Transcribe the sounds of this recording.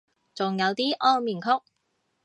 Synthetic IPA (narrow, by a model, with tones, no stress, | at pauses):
t͡sʊ˨ŋjɐ˨˧wt̪iː˥ʔɔː˥ŋmiː˨˩nkʰʊ˥k̚